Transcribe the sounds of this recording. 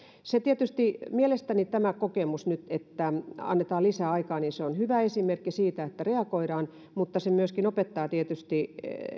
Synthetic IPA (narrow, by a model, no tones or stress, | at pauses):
set̪iet̪yst̪imielest̪ænit̪æmækokemusnyt̪et̪ːæɑ̰nːet̪ɑːlisæːɑikɑːninseonhyʋæesimerkːisiːt̪æet̪ːæreɑkoiɾɑːn | mut̪ːɑsemyøskinopet̪ːɑːt̪iet̪yst̪i